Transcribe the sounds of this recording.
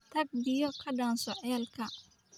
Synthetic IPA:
t̪ʰɐɡ̚bɪjɔkʰɐɖɐːnsɔʕɛːlkʰɐ

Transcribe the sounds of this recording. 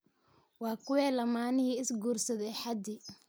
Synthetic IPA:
wɑːkʰʊwɛːlɐmaːnɪhiːɪsɡuːrsɐðɛjħɑd̪ɪ

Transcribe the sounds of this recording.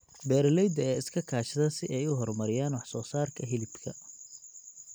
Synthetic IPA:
bɛːɾlɛjd̪ɐɛːɪskʰɐkʰaːʃɐðɐsɪʔɛjʊɦɔrmɐɾɪjaːnwɑħsɔːsaːrkʰɐɦɪlɪbkʰɐ̰

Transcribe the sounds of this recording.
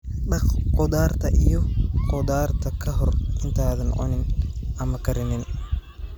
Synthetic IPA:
ɖɐχqɔðaːrt̪ʰɐʔijɔqɔðaːrt̪ʰɐkʰɐɦɔrʔɪnt̪ʰaːðɐnʕʊ̰nɪnʔɐmɐkʰɐɾɪnɪn

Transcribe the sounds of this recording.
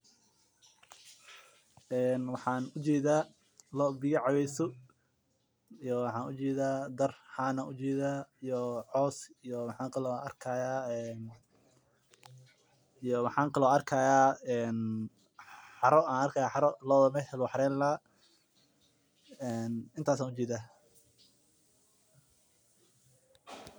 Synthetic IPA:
ɛːnwɑħɑːnʊt͡ʃɛːðaː | lɔːbɪjɐʕɑwɛjsɔ | jɔwɑħɑːnʊt͡ʃɛːðaːd̪ɐrhaːnɐʔʊt͡ʃɛːðaːijɔʕɔːsijɔmɑħɑːŋkʰɐlɔɐrkʰajaːɛn | ijɔmɑħaːŋkʰɐlɔɐrkʰaːjaːɛːn | ħɑɾɔaːnɐrkʰaːjaːħɑɾɔlɔːðmɛhɛlwɑħɾɛːllaː | ɛːnɪnt̪ʰaːsaːnʊt͡ʃɛːðaː

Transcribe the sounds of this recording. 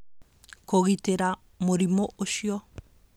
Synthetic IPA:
koɣiteɾa | moɾimoʔoʃiɔ

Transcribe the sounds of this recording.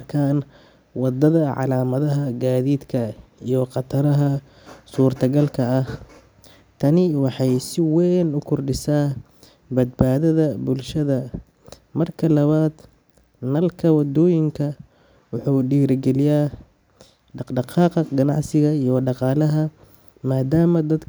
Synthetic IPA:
kʰaːn | wɑd̪ːɐðɐʕɑ̰laːmɐðɐɦɐɡaːðiːd̪kʰɐijɔqɑt̪ʰɐɾɐɦɐ | suːrt̪ʰɐɡɐlkʰɐːh | t̪ʰɐnɪwɑħɑjsɪwɛːnʊkʰʊrɖɪsaː | bɐd̪̚baːðɐðɐbʊlʃɐðɐ | mɐrkʰɐlɐβaːd̪ | nɐlkʰɐwɑd̪ɔːjɪŋkʰɐ | wʊħuːɖiːɾɡɛlɪjaː | ɖɑqɖɑqɑːqɐɡɐnɑ̰ʕsɪɣɐijɔɖɑqɑːlɐɦɐ | maːd̪aːmɐd̪ɐd̪

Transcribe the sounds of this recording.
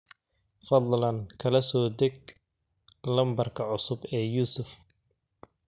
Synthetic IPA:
fɑd̪ˤlɐnkʰɐlɐsɔːd̪ɛɡ | lɐmbɐrkʰɐʕʊsʊbɛːjuːsʊf

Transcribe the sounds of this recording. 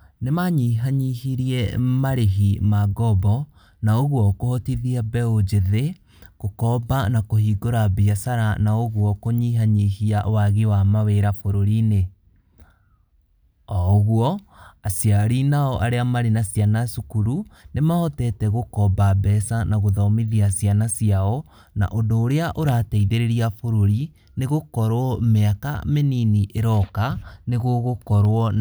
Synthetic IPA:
nemaɲiɦaɲihiɾiɛmaɾeɦimaɡɔbɔ | naoɣwɔkohɔtiðiabɛod͡ʒeðe | ɣokɔbanakohiːɡoɾabiasaɾanaoɣwɔkoɲiɦaɲihiaʔwaɣiwamaweɾafoɾoɾine | ɔɣwɔasiaɾinaɔʔaɾeamaɾenasijanasukuɾunemaɔtɛtɛɣokɔbabɛsanaɣoðɔmiðiasianasijaɔ | na̰ʔondoːɾeaʔoɾaːtɛiðeɾeɾiafoɾoɾi | neɣokɔɾwɔmeaka̰meniniʔeɾɔkaneɣoɣokɔɾwɔ

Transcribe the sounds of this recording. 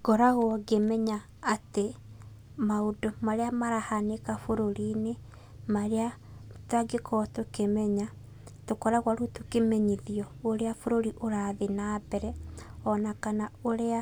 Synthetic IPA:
ɡ̥ɔɾaɣwɔɡemɛɲaː | te | maodomaɾeamaɾahanekafoɾoɾine | maɾea | twaɡekʰɔtokemɛɲa | tokɔɾaɣwaɾutokemɛɲiðiɔoɾeafoɾoɾiʔoɾaðenabɛɾɛɔnakanaoɾea

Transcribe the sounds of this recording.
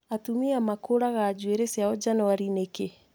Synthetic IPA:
atumiamakoɾaɣad͡ʒweɾesjaɔd͡ʒanɔwaɾineke

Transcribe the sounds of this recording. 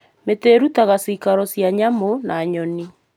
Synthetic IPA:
meteːɾutaɣasikaɾɔsjaɲamonaɲɔni

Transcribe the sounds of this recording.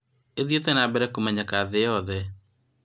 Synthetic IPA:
eðjotɛnabɛɾɛkomɛɲakaðeɔðɛ

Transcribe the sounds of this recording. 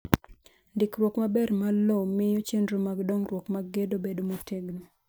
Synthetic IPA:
ndɪkɾwɔkmabɛɾmalomɪjot͡ʃendɾomaɡdɔŋrwɔkmaɡedobedomotʰeɡno

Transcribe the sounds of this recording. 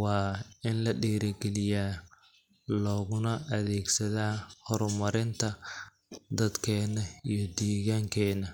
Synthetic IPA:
wɑːɪnlɐɖɛːɾɐɡɛlɪjaː | lɔːɣʊnɐʔɐðɛːɡsɐðaːhɔɾmɐɾɪnt̪ʰɐ | d̪ɐd̪kʰɛːnɐijɞd̪ɛːɣaːŋkʰɛːnɐ

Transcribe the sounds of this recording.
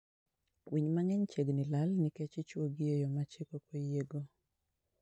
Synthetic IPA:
wʔiɲmaŋɛɲt͡ʃeɡnɪlalniket͡ʃɪt͡ʃwoɡɪejɔmat͡ʃekokojeɡo

